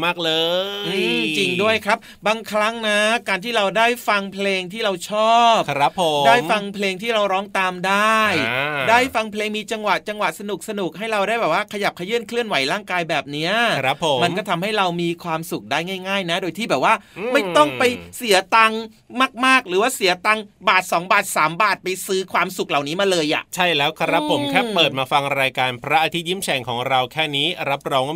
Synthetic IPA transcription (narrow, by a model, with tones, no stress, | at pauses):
maː˥˩k̚lɤː˧ɯː˧˩t͡ɕi˧ŋdu˥˩əjkʰɾa˦˥p̚ | baː˧ŋkʰɾa˦˥ŋna˦˥kaː˧nt̪ʰiː˥˩ɾa˧wdaː˥˩jfa˧ŋpʰleː˧ŋt̪ʰiː˥˩ɾa˧wt͡ɕʰɔː˥˩p̚ɾa˦˥pʰːdaː˥˩jfa˧ŋpʰleː˧ŋt̪ʰiː˥˩ɾa˧wɾɔː˦˥ŋt̪aː˧mdaː˥˩jdaː˥˩jfa˧ŋpʰleː˧ŋmiː˧t͡ɕa˧ŋwa˨˩ʔt͡ɕa˧ŋwa˨˩sa˧nu˨˩k̚sa˧nu˨˩k̚ɦa˥˩jɾa˧wdaː˥˩jbɛː˨˩waː˥˩kʰa˧ja˨˩p̚kʰa˧jɯː˥˩ənkʰlɯ˥˩ənwa˩˦jɾaː˥˩ŋkaː˧jbɛː˨˩p̚ni˦˥ɐɾa˦˥pʰːo˩˦ma˧nkɔ˥˩t̪ʰa˧mha˥˩jɾa˧wmiː˧kʰwaː˧msu˨˩k̚daː˥˩jŋaː˥˩jŋaː˥˩jna˦˥doː˧jt̪ʰiː˥˩bɛː˨˩p̚waː˥˩ma˥˩jt̪ɔ˥˩ŋpa˧jsi˩˦ɐt̪a˧ŋ | maː˥˩k̚maː˥˩k̚ɾɯː˩˦waː˥˩si˩˦ɐt̪a˧ŋbaː˨˩t̪̚sɔː˩˦ŋbaː˨˩t̪̚saː˩˦mbaː˨˩t̪̚pa˧jsɯː˦˥kʰwaː˧msu˨˩k̚la˨˩wniː˦˥maː˧lɤː˧jʔa̰˨˩ʔt͡ɕʰa˥˩jlɛː˦˥wkʰɾa˦˥pʰːo˩˦mkʰɛː˥˩pɤː˨˩t̪̚maː˧fa˧ŋɾaː˧jkaː˧npʰɾa˦˥ʔa˧t̪ʰi˦˥t̪̚ji˥˩mt͡ɕʰɛː˧ŋkʰɔː˩˦ŋɾa˧wkʰɛː˥˩niː˦˥ɾa˦˥p̚ɾɔː˦˥ŋ